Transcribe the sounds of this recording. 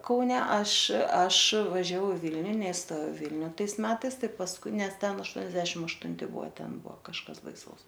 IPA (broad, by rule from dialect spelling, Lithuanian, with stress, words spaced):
ˈkɐʊnʲɛ ˈɐʃ ˈɐʃ ʋɐʒʲɛˈʋɐʊ ɪ ˈʋʲɪlʲnʲʊ nʲɛɪˈstoːjɛʊ ˈʋʲɪlʲnʲʊ ˈtɐɪs ˈmʲæːtɐɪs ˈtɐɪ pɐsˈkʊɪ ˈnʲɛs ˈtʲɛn ɐʃˈtuɔnʲɛzʲdʲɛʃʲɪm ɐʃtʊnʲˈtʲɪ ˈbuɔ ˈtʲɛn ˈbuɔ kɐʃˈkɐs bɐɪˈsɐʊs